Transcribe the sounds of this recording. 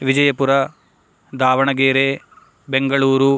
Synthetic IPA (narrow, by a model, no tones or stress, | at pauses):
ʋid͡ʒɐjɐpuɾɐ | d̪aːʋɐɳɐɡeːɾe | beŋɡɐɭuːɾu